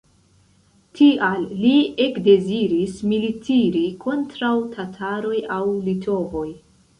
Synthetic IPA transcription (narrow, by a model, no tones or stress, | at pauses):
tʰialːiekde̞ziɾismilitʰiɾikʰo̞ntɾawtʰatʰaɾo̞jawlitʰo̞vo̞j